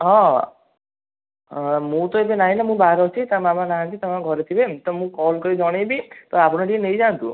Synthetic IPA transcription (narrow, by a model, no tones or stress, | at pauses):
ɦɔ̃ | mũt̪ɔebenaɦĩnamũbaɾɔt͡ʃʰit̪amamanaɦãk̪it̪amãɡʱɔɾet̪ʰibet̪ɔmũkɔlkɔɾid͡ʒɔɽ̃ejbit̪ɔapɔɽ̃ɔʈienejd͡ʒant̪ṵ̃